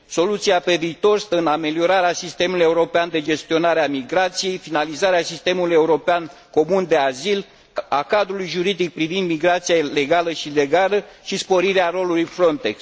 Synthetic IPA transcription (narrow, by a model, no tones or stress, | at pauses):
so̞lut̪siape̞viːt̪o̞rst̪əɨname̞lio̞ɾaɾeasist̪e̞muluje̞uɾo̞peand̪e̞d͡ʒe̞st̪io̞naɾeamiɡɾat̪sije̞jfinalizaɾeasist̪e̞muluje̞uɾo̞peanko̞mund̪e̞azil | akad̪ɾulujʒuɾid̪ik̚pɾivind̪miɡɾat̪sijale̞ɡaləʃile̞ɡaləʃispo̞ɾiɾeaɾo̞lulujfɾo̞nt̪eks